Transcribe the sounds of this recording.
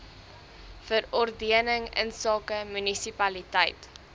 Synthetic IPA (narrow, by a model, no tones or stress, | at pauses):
fərɔrdiənəŋə̰nsɑːkəmynisipɐlitɛjt